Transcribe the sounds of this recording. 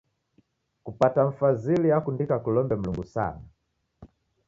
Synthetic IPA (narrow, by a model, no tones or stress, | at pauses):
kupataɱ̩fazilijakundikakulɔmbɛm̩luŋɡusa̰na